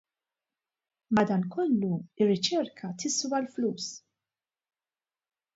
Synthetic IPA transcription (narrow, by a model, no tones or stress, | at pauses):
mɐd̪ɐːnkɔlːuɪrːɪt͡ʃɛɾkʰɐt̪ɪswɐlfluːs